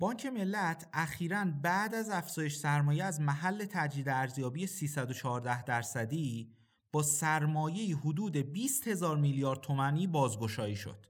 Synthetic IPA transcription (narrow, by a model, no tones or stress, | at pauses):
b̥ɒːɲcʰe̞me̞lːæt̪ʰʔæxiːɾænbæʔd̪æzæfz̥ɒːjeʃsæɾmɒːjeæzmæɦælːe̞t̪ʰæd͡ʒiːd̪eæɾzjɒːbiːjesiːsæd̪ot͡ʃʰɒːɾd̪æhd̪æɾsæd̪iː | b̥ɒːsæɾmɒːje̞iːɦod̪uːd̪e̞biːst̪he̞zɒːɾmiljɒːɾd̪̚t̪ʰo̞mæniːbɒːzɡo̞ʃɒːiːʃo̰d̪̥